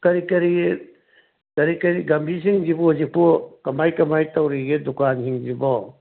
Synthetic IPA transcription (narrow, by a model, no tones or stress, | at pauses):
kɐɾikɐɾi | kɐɾikɐɾiɡɐmbʱisiŋd͡ʒibɔzipɔkɐmajkɐmajtawɾiɡedukansiŋzibɔ